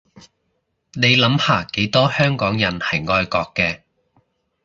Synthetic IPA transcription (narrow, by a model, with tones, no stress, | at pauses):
ne˨˧jlɐ˨˥mhaː˨˩ke˨˥jt̪ɔː˥hœː˥ŋkɔː˨˥ŋjɐ˨˩nhɐ˨˩jŋɔː˧jkɔː˧kːɛː˧